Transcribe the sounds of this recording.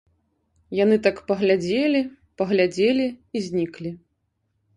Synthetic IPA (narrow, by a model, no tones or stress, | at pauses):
janɨt̪akpɐɣlʲad͡zʲelʲi | pɐɣlʲad͡zʲelʲiizʲnʲiklʲi